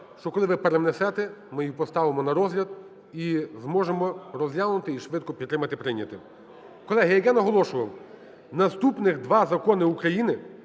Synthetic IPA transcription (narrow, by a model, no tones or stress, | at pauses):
ʃt͡ʃɔkɔlˠɪʋɪpeɾenɛsɛt̪ɛmɪjipɔst̪ɑʋɪmɔnɐɾɔzlʲɐd̪̚ | izmɔʒemɔɾɔzʲlʲaʋnʊt̪ɪiʃʋɪd̪̚kɔpʲit̪ːɾɪmɐt̪ɪpɾɪnʲːɐt̪ɪ | kɔlˠɛɦɐjɐjanɐɦɔlˠɔʃʊʋɐw | nɐst̪upnɪxd̪ʋɑzɐkɔnɪukɾɐjinɪ